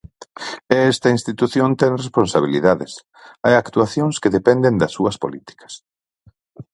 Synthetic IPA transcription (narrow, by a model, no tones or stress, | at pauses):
ɛst̪ɐinst̪it̪uθjont̪ɛŋresponsaβ̞ilḭðaðɪ̰s | ajakt̪uaθjoŋskeðepɛnd̪end̪ɐsːuɐspo̰lit̪i̥kɐ̥s